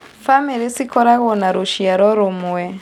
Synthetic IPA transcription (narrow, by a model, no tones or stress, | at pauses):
famiɾisikɔɾaɣɔnaɾuʃiaɾɔɾomuwɛ